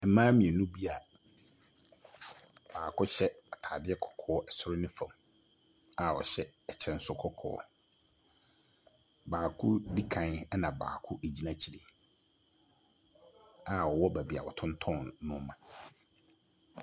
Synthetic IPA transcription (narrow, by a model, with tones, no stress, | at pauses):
ɛ˨˦mãː˦mĩ˨ɛ˨nũ˦bi˦a˨ | b̥aː˨kʰʊ˦ɕɛ˦a˨tʰaː˨dɪ˦ɛ˦kʰɔ̥˨kʰɔː˦ʔɛ˨sʊ˦ɾnɪ̃˦fã˨m | a˨ɔ̰˨ɕɛ˦ɛ˨t͡ɕʰɛ˦˨n̩˦sʊ˦kʰɔ˦kʰɔ̰ː˨˦ | baː˨kʰʊ˦di˦kʰã˨nɛ˦nã˨ba̰ː˨kʰʊ˦ʔe˨d͡ʑi˦nã˦t͡ɕʰi˨ɾɪ˨ | a˨wɔ˨wɔ˦bæ˨bi˨a̰˨wɔ˨tʰʊ̃˦n˦tʰɔ̃˦˨nːʊ̃˦mã˨